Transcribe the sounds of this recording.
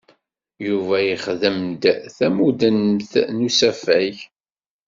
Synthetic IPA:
juvæjiχðəmd̪θæmud̪ənθnusæfæj

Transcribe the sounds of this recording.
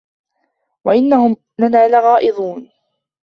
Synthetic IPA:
waʔɪnːahʊm | nanaːlaɣɑːʔɨd̪ˤuːn

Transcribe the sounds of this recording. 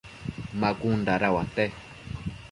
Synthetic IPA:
makundaɾawat̪e

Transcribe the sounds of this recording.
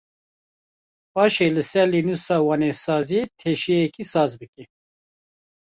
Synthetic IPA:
pɑːʃeːlɨsɛɾlinusɑːwɑːnesɑːziet̪ʰeʃieɛkisɑːzbɨki

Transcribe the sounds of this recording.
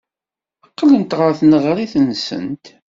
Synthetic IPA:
əqːlənt̪ʁəɾθnəʁɾiθənsə̰nt̪

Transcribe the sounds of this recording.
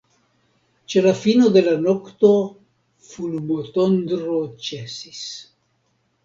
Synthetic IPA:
t͡ʃe̞lafino̞d̪e̞lano̞kt̪o̞ | fulmot̪ond̪ɾot͡ʃesis

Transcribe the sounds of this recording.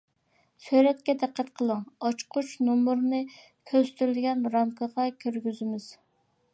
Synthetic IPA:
søjɾɛt̪̚kʲɛd̪æqʰːæt̪qʰəlˠɨŋɑt͡ʃqʰut͡ʃnomuɾnɨ | kʲʰøzt̪ʰyɾɪlɡʲɛnɾɑmkʰəʁɑkʲʰøɾɡʲyzɪmɪz̥

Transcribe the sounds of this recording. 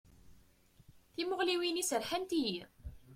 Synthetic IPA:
θimʊʁliwinisəɾħant̪iji

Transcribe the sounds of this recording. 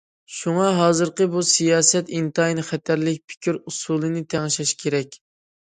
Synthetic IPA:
ʃuŋɑɦɑːzɨɾqəbusijɑːsɛt̪int̪ɑjnχɛt̪ʰæɾlɪk̚ʲpʰɪ̥kʲʰiɾusulˠɨnɨt̪ʰɛŋɨʃɑʃkʲʰeɾɛkʲ

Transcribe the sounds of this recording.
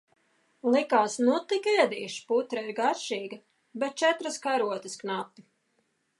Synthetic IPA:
lˠikaːsnut̪ikɛːd̪iːʃput̪ɾaiɾɡaɾʃiːɡɐ | bɛt̪̚t͡ʃɛt̪ɾaskaɾuɔt̪ɐsknapːi̥

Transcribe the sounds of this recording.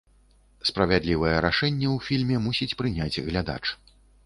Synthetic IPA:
spɾɐvʲad̪lʲivɨjɛɾaʂɛnʲːɛwfʲilʲmʲɛmusʲit͡sʲpɾɨnʲad͡zʲɣlʲad̪a̰t͡ʂ

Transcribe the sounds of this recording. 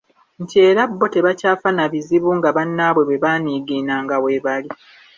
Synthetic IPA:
ɲ̩ce̞ːɾabːo̞te̞βacaːfanaβiziβuŋɡaβanːaβwe̞βwe̞βaːniɡiːnaŋɡawe̞βali

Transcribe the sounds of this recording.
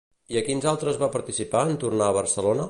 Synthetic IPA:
iəkinzalˠt̪ɾəzβapəɾt̪isipaənt̪urnaəβərsəlonə

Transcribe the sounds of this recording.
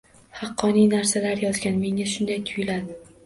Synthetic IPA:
hɑqʰːɒnijnaɾsalaɾjɒzɡʲanme̞ŋʲaʃʊnd̪ajt̪ʰʊjlad̪ɪ

